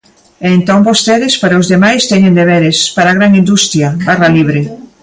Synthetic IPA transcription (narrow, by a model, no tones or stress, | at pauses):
ent̪oŋbost̪eðɪspaɾaozðemajst̪eɲẽnd̪eβeɾespaɾaɣɾaŋĩnd̪ust̪ɾjɐbaraliβɾe